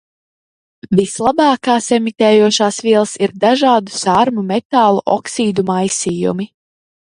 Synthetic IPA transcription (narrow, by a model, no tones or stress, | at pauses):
vislˠabɑːkaːsemit̪ɛːjuɔʃaːsviɛlˠsiɾd̪aʒaːd̪usaɾmumɛt̪aːlˠuʔɔ̰ksiːd̪umajsiːjṵmi